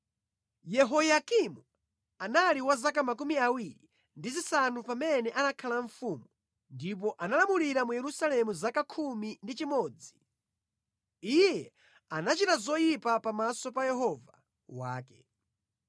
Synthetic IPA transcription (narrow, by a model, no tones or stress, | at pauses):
jɛɦɔjakimu | analiwazakamak̬umiawiɾi | ndizisanupamɛnɛʔanakʰalaɱfumu | ndip̬ɔʔanalamuliɾamujɛɾusalɛmuzakakʰumindit͡ʃimɔːd͡zi | ijjɛ | anat͡ʃitazɔjipapamasɔpajɛɦɔva | wa̰ːkɛ